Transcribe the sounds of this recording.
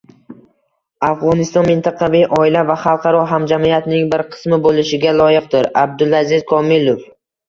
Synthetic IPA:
afʁɒnɪst̪ɒnmɪnt̪ʰɑqʰɑvijʔɒɪlavaχɑlˠqʰɑɾɒɦamd͡ʒamijat̪nɪŋbɪɾqʰɨ̥smɪbolɪʃɪɡʲalˠɒjɪq̚d̪ɪɾab̚d̪ʊlˠazɪz̥kʰɒmɪlˠof

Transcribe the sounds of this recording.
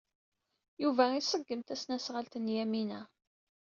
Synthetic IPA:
juvæisəɡːəmt̪æsnæsʁəlt̪ənjæminæ

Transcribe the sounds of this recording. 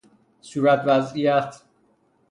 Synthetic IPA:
suːɾæt̪ʰvæzijæt̪ʰ

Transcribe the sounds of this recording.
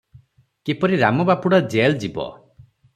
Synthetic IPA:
kipɔɾiɾamɔbapuɽɔd͡ʒeld͡ʒibɔ̰

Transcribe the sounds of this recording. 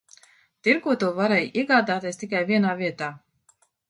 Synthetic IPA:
t̪iɾkuɔt̪uvaɾɛjiɛɡaːd̪aːt̪iɛst̪ik̬ajvʲiɛnaːviɛt̪aː

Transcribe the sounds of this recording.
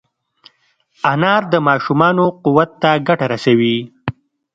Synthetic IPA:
anɑɾd̪əmɑʃumɑnoquwat̪ːaɡaʈaɾasawi

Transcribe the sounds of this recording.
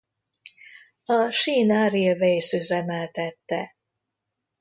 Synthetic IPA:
ɒʃiːnaɾivɛjsøzɛmɛlt̪ɛt̪ːɛ

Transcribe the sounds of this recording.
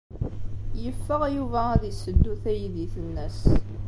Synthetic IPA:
jəfːəʁjuvææðisəd̪ːuθæjðiθənːəs

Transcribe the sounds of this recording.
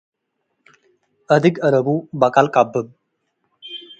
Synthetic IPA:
ʔəd̪ɨɡəɾəbubakʼalkʼabːɨm

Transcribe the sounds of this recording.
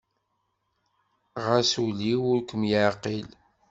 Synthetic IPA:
ʁasuliwʊɾkʷəmjəʕqil

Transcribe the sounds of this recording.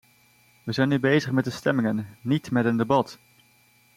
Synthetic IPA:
ʋəzɛjnybejzəχmɛt̚dəstɛmɪŋənːitmɛtəndəbɑt

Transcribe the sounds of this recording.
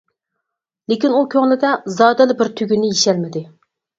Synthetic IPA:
lekʲinukʲʰøŋlɪd̪ɛzɑːd̪ɪlɪbɪɾt̪ʰyɡʲynːɪjeʃɛlmɪd̪ɪ

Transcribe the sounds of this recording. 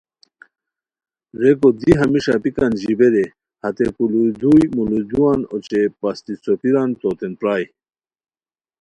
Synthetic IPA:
ɾekod̪iɦɐmiʂapikɐnʑibeɾe | hɐt̪ekulud̪ujmulud̪uwanot͡ɕepast̪isopiɾant̪ot̪enpɾaːj

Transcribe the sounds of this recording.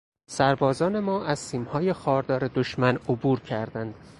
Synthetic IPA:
sæɾbɒːzɒːne̞mɒːʔæz̥siːmhɒːjexɒːɾd̪ɒːɾed̪oʃmænobuːɾcʰæɾd̪ænd̪̥

